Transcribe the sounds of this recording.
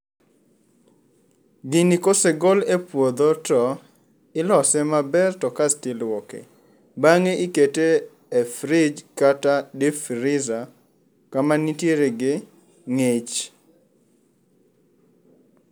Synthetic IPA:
ɡɪnikoseɡolepwod̪otɔ | ɪlɔsɛmabɛrtɔkastɪlwɔkḛ | baŋeiketeː | fɾɪd͡ʒkatadefɾɪza | kamanitjeɾeɡɪ | ŋet͡ʃ

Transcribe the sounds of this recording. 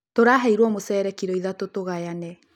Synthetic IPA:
toɾaɦɛiɾwɔmosɛːɾɛkiɾɔiðatotoɣajanɛ

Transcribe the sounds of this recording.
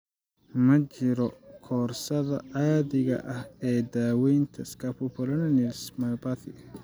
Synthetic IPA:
mɐt͡ʃɪɾɔkʰɔːrsɐðɐaːðɪɣɐ̰ʔɐhɛːd̪aːwɛjnt̪ʰɐskʰɐpʰɔpʰɔlɐnɐnismɐbaθɪ

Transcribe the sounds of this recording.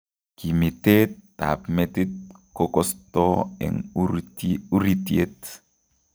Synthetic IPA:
kimit̪etːa̰pmet̪it̪̚kokɔst̪ɔḛŋ | uɾit̪iet̪

